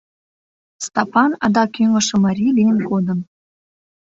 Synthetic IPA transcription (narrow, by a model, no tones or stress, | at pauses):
st̪ɑpɑnɑd̪ɑkʲyŋɡɤ̆ʃɤ̆mɑɾʲilʲijnkod̪ɤ̆n